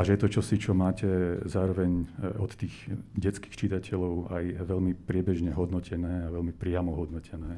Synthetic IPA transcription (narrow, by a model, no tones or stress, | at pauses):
aʒɛjɛt̪ɔt͡ʃɔsit͡ʃɔmaːcɛzaːɾɔʋɛɲɔt̪ːiːɣɟɛt͡ski̥xt͡ʃit̪acʰɛlɔʊajʋɛlmipɾɪɛbɛʒɲɛɦɔd̪nɔcʰɛnɛːaʋɛlmipɾɪamɔɦɔd̪nɔcʰɛnɛː